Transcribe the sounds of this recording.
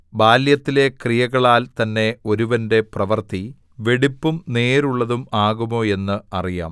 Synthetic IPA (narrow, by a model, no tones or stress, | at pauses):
baːljɐt̪ːile̞krijɐɣɐɭaːlt̪ɐnːe̞o̞ɾuʋɐnde̞prɐʋɐrt̪i | ʋe̞ɽipːumne̞ːɾuɭːɐðumaːɣumo̞ːe̞nːɨɐrija̰ːm